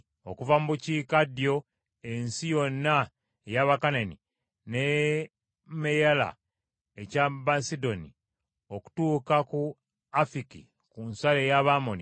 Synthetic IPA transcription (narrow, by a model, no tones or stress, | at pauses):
o̞̰kuvamuβuciːkadijo̞ | e̞nsijo̞nːa | ejaβakanani | ne | mejala̰ | e̞cabasido̞ni | o̞ku̥tuːkaku | afikḭ | kunsalejaβamoni